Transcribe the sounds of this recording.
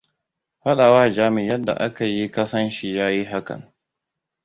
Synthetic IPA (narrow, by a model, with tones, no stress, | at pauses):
ɸa˦ɗa˨waː˦˨d͡ʒaː˦mɪ˨jɐ˦dːa̰˨ʔa˦ka˨ji˦kɐ˦sɐ˦nʃi˨jaː˦ji˦ɦa˦kɐ̰˨ŋ